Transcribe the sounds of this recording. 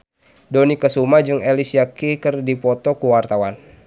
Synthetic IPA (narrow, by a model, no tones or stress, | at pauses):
dɔnikəsumad͡ʒuŋelisiakikərdipɔt̪ɔkuwart̪awan